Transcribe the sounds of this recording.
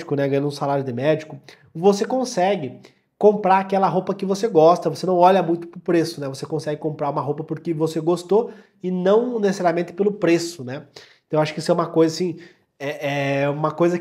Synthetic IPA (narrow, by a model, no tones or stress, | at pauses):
kʊnɛɡɐ̃jɐ̃d̪ʊ̃salaɾjʊd̪ɪmɛd͡ʒikʊ | vosekõsɛɡɪ | kõmpɾaakɛlɐɦowpɐkɪvoseɡɔst̪ɐvosenɐ̃w̃ɔʎɐmũj̃t̪ʊ̥pɾʊpɾesʊnɛvosekõsɛɡɪkõmpɾaɾũmɐɦowpɐpoɾkɪvoseɡost̪o | ɪnɐ̃w̃nesesaɾijɐmẽnt̪ɪ̥pelʊpɾesʊnɛẽt̪ɐ̃w̃aʃʊ̥kɪisʊɛũmɐkojzɐsĩ | ɛʔɛũmɐkojzɐ